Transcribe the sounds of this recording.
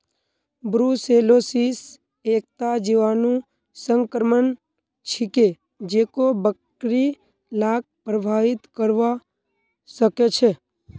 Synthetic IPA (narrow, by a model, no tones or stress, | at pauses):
bɾuselosis | ek̚t̪ad͡ʒiʋanũ | səŋkɾəmən | t͡ʃʰike | d͡ʒekobək | ɾi | lak̚pɾəbʱaʋɪt̪kəɾʋa | ʃəket͡ʃʰe